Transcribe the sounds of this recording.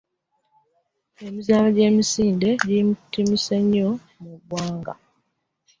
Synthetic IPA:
e̞mizaːlaɟe̞ːmisiːnde̞ɟimutːimiseɲːo̞ | muβwaːŋɡa̰

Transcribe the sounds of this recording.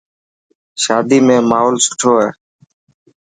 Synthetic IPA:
ʃaːd̪iːmẽːmaːɦoːlsʊʈʰoːeː

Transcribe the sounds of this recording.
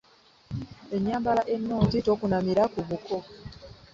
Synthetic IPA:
e̞ɲːaːmbalaʔe̞nːoːɲzito̞ːkunamiɾakuβukʰo̞

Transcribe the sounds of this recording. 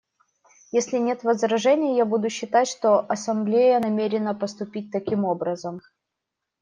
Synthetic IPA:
jesʲlʲɪnʲe̞t̪vəzɾɐʐɛnʲɪjəjabud̪ʊɕːɪt̪atʲʂt̪o̞ʔɐsɐmblʲejənɐmʲeɾʲɪnəpəst̪ʊpʲit̚ʲt̪ɐkʲimobɾəzəm

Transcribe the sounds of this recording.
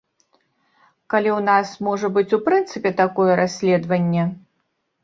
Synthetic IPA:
kalʲiwnasmɔʐɐbɨt͡sʲupɾɨnt̪sɨpʲɛt̪akɔjɛɾasʲlʲɛd̪vɐnʲːɛ

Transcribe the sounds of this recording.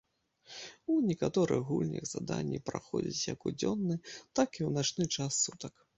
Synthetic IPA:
unʲɛkat̪ɔɾɨ̰xɣulʲnʲḭɣzad̪anʲːipɾa̰xɔd͡zʲit͡sʲjɐkud͡zʲɔnːɨt̪akiwnat͡ʂnɨt͡ʂasːut̪ɐk

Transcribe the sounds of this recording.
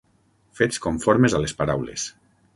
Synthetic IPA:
feskoɱfɔɾmezalespaɾawlḛs

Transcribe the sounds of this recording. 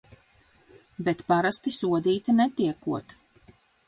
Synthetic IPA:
bɛt̪paɾast̪isuɔd̪iːt̪inɛt̪iɛkuɔt̪

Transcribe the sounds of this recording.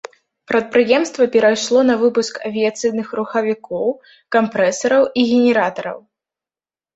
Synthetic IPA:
pɾɐt̪̚pɾɨjɛmst̪vɐpʲɛɾajʂlˠɔnɐvɨpuskɐvʲijat̪sɨjnɨxruxɐvʲikɔw | kampɾɛsɐɾɐwiɣʲɛnʲɛɾat̪ɐɾɐ̰w

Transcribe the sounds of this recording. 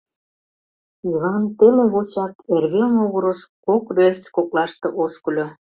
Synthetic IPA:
iβɑnt̪eleɣot͡ɕɑk̪erβenoɣəɾəʃkokrert͡skoklɑʃt̪ĕʔoʃkə̆lʲo

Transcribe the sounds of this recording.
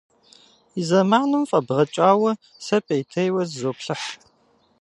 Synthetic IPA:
izɐmaːnɨmfʼɐbʁɐt͡ʃʼaːwɐ | sɐpʼejtʰejwɐzzoːpɬɨħ

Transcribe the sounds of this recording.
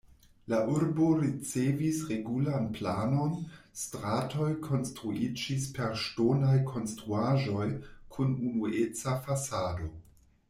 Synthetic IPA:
laʔuɾbo̞ɾit͡sevisɾe̞ɡulanplano̞nstɾato̞jkʰo̞nstɾuid͡ʒispe̞ɾʃtonajkʰo̞nstɾuaʒo̞jkʰununuet͡safasado̞

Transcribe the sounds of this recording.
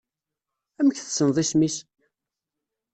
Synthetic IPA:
æməçθəsənðˤismis

